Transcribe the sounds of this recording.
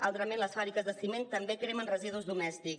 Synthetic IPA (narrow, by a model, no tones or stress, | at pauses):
a̰lˠt̪ɾəmenləsfaβɾikəzðəsiment̪əmbekɾemənrəziðuzðumɛst̪ik